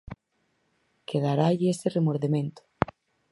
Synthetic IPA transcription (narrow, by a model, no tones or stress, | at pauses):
keðaɾaʎɪeseremoɾðemẽnt̪ʊ̥